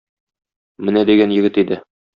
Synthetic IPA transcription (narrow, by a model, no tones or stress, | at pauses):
mɘnæd̪iɡænjɘ̆ɡɘt̪id̪ɘ